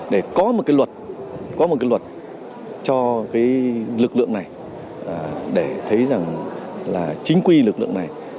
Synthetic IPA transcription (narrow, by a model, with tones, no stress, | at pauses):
ɗe˧˩kɔ˨˦mo˨˩kaː˨˦jwə˨˩t̚kɔ˨˦mo˨˩kaː˨˦jlwə˨˩t̚ | t͡ɕɔ˧kaː˨˦jlɨ˨˩k̚lɨ̰˧˨əŋna˨˩j | ʔə˨˩ɗe˧˩t̪ʰə˨˦jza˨˩ŋlaː˨˩t͡ɕï˨˦ŋ̟kwi˧lɨ˨˩klɨ̰˧˨ə˨ŋna˨˩j